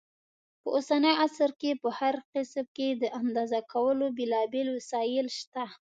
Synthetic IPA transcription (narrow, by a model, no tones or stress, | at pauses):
pəʔosanəjasɾkepəhaɾqɪsmked̪əʔand̪ɑzakʰawəlobelɑbelwasɑjɪlʃt̪a